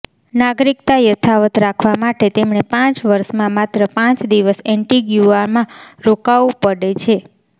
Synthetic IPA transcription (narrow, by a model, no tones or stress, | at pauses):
naɡɾikt̪ajət̪ʰaʋət̪ɾakʰʋamaʈet̪emɳepãt͡ʃʋəɾʃmãmat̪ɾəpãt͡ʃd̪iʋəsɛɳʈiɡjuaɾmãɾokaʋupəɽet͡ʃʰe